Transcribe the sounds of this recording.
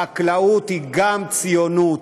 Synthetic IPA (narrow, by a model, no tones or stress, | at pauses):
aklaut̪hiɡamt͡sijonut